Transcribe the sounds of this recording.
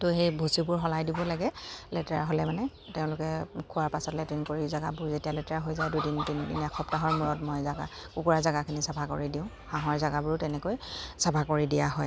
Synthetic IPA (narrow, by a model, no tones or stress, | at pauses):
tʊxejbʱosibʊɹɦɔlajdibɔlaɡɛlɛtɛɹa̰ɦolɛmanɛ | teʊ̃lʊkɛkʰʊwaɹpasɔtlɛtɹinkoɹizaɡa̰bʊɹzetijalɛtɛɹaɦojzajdujdinitinidiniakʰɔptaɦɔɹmuɹɔtmɔjzaɡa̰ | kukuɹazaɡakʰinisabʱako̰ɹidiʊ̃ | hãɦɔɹzaɡabʊɹtɛnɛkojsabʱakoɹidijaɦɔj